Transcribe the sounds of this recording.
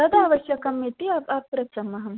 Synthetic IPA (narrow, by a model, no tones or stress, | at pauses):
ɐd̪aːʋɐʃjɐkɐmːit̪iɐpɐpɾɐt͡ʃɐmɐɦɐm